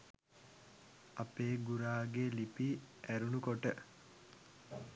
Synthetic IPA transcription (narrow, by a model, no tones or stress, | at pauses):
apeːɡuɾaːɡelipiæɾunukoʈə